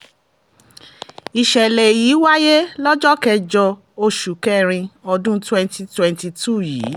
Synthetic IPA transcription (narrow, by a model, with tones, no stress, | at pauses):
i˧ʃɛ˨le˨jiː˨˦wa˦je˦lɔ˦d͡ʒɔ˦kɛ˦˧d͡ʒɔ˧ | o˧ʃu˨kɛ˦˨ɾ̃ĩ˧ɔ˧dũ˦twɛ̃˧nti˧twɛ̃˧nti˧tu˦˨jḭː˨˦